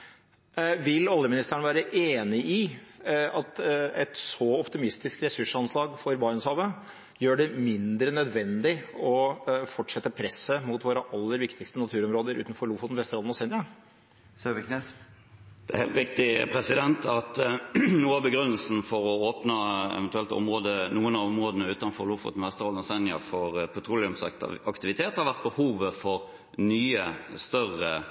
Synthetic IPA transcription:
ʋɪlːɑljəmɪnɪst̪əæəɳəʋæːɾəʔeːnɪʔɪ | ɑt̪ɛt̪sɔɔpt̪ɪmɪst̪ɪskɾɛsʉʂɑnslɑːɡfɔɾbɑɾənshɑːʋə | jøːɖɛmɪnd̪ɾənœd̪ʋɛnd̪ɪɔfɔʈʂɛt̪ːəpʰɾɛsːəmʊt̪ʋoːɾəʔɑlːəɾʋɪkt̪ɪkst̪ənɑt̪ʰʉːɾɔmɾoːd̪əɾʉ̰ːt̪n̩fɔɾɭufʊt̪n̩ʋɛst̪ɾɑlɔsɛnd̪ɪə | søbəkʰneːs | d̪̥ɛæɾhḛlt̪ɾɪk̚t̪ɪpʰɾɛsɪd̪ɛnt̪ʰɑt̪nuːɑbəɡɾʉnːəlsn̩fɔɾɔoːpnɑɛ̰ʋɛnt̪ʉɛlt̪ɔ̰mʁoːd̪ənuːənɑɔmʁoːd̪ənəʉːt̪ɑnfɔʁlʊfʊ̰t̪n̩ʋɛst̪əɾɑːd̪nɔsɛnɪɑ̰fɔʁpʰɔt̪ʰɾulɪʉmsɑkt̪ɪʋɪt̪ʰeːt̪hɑɾʋæʁt̪̚bəhuːʋəfɔʁ | nyːəst̪œʁə

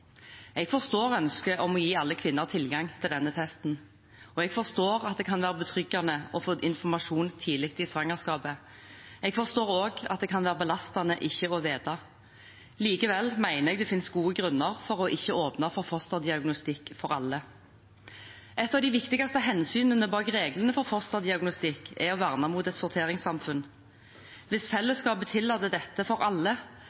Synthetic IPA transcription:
ɛɡfɔʁst̪oːɾœnskəʔɔmɔjiːɑlːəkʰʋɪnːəʁt̪ʰɪlɡɑŋt̪ʰɪld̪ɛnːət̪ʰɛst̪n̩ | ɔɛɡfɔʁst̪oːɾɑt̪̚d̪ɛkʰɑnʋæːɾəbət̪ʰʁʏɡɑnəɔfoːʔɪnfɔʁmɑʂuːnt̪ʰɪːlɪk̚t̪ɪsʋɑŋəʁskɑːpə | ɛɡfɔʁst̪oːɾoːɡɑt̪d̪ɛkʰɑnʋæːɾəbəlɑst̪ɑnəʔɪçːəɔʋeːd̪ɑ | liːkəʋɛlmæɪnəʁɛːɡd̪ɛfɪnsɡuːəɡʁʉnːəʁfɔʁɔʔɪçːəoːpnɑfɔʁfɔst̪ɔd̪ɪɑɡnʊst̪ɪkfɔɾɑlːə | ʔɛt̪ːɑʋd̪ɪʋɪkt̪ɪɡɑst̪əɦɛnsyːnənəbɑːkʁeːɡlənəfɔʁfɔst̪ɔd̪ɪɑɡnʊst̪ɪkːɛɔʋæʁnɑmuːt̪ɛt̪sʊɾt̪ʰeːɾɪŋsɑmfʉn | ʋɪsfɛlːəskɑːpət̪ʰɪlːɑt̪ːəd̪ɛt̪ːəfɔɾɑlːə

